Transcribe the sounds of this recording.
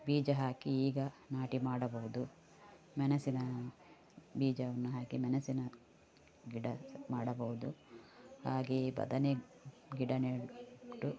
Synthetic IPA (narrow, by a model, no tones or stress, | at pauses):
biːd͡ʒɐɦaːkiiːɡɐnaːʈimaːɽɐbɐɦud̪u | mɐnɐsinɐ | biːd͡ʒɐʋɐnːuɦaːkimɐnɐsinɐ | ɡiɽɐmaːɽɐbɐɦud̪uhaːɡebɐ̰d̪ɐne | ɡiɽɐneːʈːu